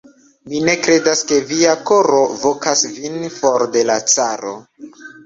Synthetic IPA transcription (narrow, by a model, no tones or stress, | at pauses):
mine̞kɾe̞daske̞viako̞ɾo̞vo̞kasvinfoɾde̞lat͡saɾo̰